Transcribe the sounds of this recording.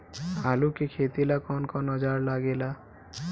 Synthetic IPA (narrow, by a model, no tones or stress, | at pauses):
alukekʰet̪ilakɔnkɔnɔd͡ʒaɹlaɡela